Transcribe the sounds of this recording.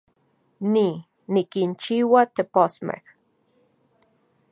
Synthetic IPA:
ni | nikint͡ʃiwat̪eposmḛh

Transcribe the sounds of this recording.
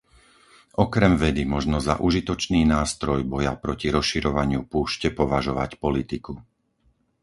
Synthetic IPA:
ʔɔkɾɛmʋɛd̪imɔʒnɔza̰ʔuʒit̪ɔt͡ʃniːnaːst̪ɾɔjbɔjapɾɔciɾɔsʃiɾɔʋaɲɪupuːʃcɛpɔʋaʒɔʋa̰cpɔlit̪iku

